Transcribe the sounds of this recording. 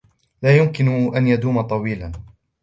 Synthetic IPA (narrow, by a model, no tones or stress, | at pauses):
laːjʊmkɪnʊʔanjad̪uːmat̪ˤɑwiːlan